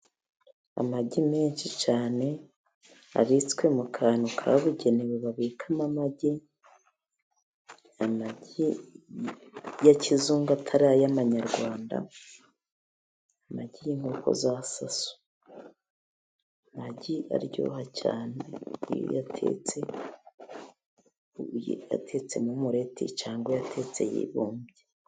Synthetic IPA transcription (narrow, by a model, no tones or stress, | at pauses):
a̰maɟimeːnʃit͡ʃaːne̞ | a̰ɾit͡skwe̞mukʰaːnokʰa̰βuɟe̞neweβaβiːkʰamamaɟi | amaɟi | jacizuːŋɡatʰaɾaːjamaɲaɾɡwaːnda̰ | amaɟijiŋ̥ɡoːko̞̰zasasu̥ | amaɟiʔa̰ɾjo̰ɦaca̰ːneḭjo̰jatʰḛt͡se̞ | j̰a̰tʰe̞t͡se̞mumuɾe̞tʰḛt͡ʃaːŋɡwojatʰe̞t͡se̞̰jḭβoːmbje